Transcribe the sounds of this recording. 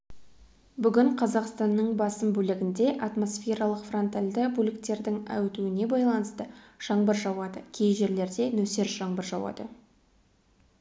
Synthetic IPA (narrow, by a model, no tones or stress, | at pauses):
bʏɡʲɪɴqʰɑzɑqst̪ɑnːəɴbɑsəmbɵlɪɡʲɪnd̪e̞ʔɑt̪mo̞sfʲe̞ɾɑlˠəqfro̞nt̪alʲd̪ɪbulʲɪkt̪e̞ɾd̪ɪŋæ̰wt̪uɪne̞bɑjlˠɑnəst̪əʒ̥ɑɴbəɾʒɑwɑd̪əkʲʰe̞jʒe̞ɾle̞ɾd̪e̞nɵse̞ɾʒ̥ɑɴbəɾʒɑwɑ̰d̪ə